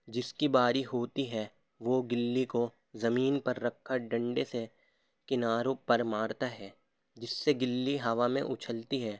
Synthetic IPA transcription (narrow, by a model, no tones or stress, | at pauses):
d͡ʒɪskibaːɾiɦoːt̪iɦɛ | ʋoɡɪlːiko | zɐmiːnpɐɾːɐkʰːaɖɐ̃ɳɖese | kɪnaːɾõpɐɾmaːɾt̪aɦɛː | d͡ʒɪsːeɡɪlːiɦɐʋamḛ̃ʔʊt͡ʃʰəlt̪iɦɛː